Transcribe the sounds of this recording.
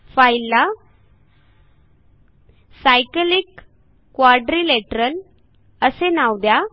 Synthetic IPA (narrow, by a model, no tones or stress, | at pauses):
fajlːa | sajkəlikː | ʋaɖɾileʈəɾəl | əsenawd̪ja